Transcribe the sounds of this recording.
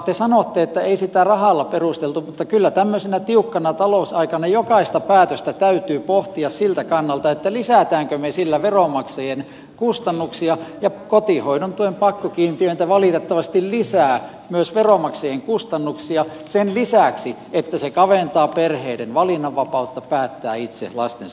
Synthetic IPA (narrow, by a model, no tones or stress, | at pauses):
t̪esɑnot̪ːeet̪ːæeisit̪æˑrɑhɑlːɑperust̪elt̪umut̪ːɑkylːæt̪æmːøsenæt̪iukːɑnɑt̪ɑlousɑikɑnɑjokɑist̪ɑpæːt̪øst̪æt̪æyt̪yːpoht̪iɑssilt̪ækɑnːɑlt̪ɑet̪ːælisæˑt̪æːŋkømesilːæʋeromɑksejen | kust̪ɑnːuksiɑjɑkot̪ihoinont̪uempɑkːokiːnt̪iøint̪æʋɑlit̪et̪ːɑʋɑst̪illisæː | myøsʋeromɑksejeŋkust̪ɑnːuksiɑ | senlisæˑksi | et̪ːæsekɑʋeˑnt̪ɑːperheidenʋɑlinːɑʋːɑpɑut̪ːɑpæːt̪ːæːit̪sḛlɑ̰st̪en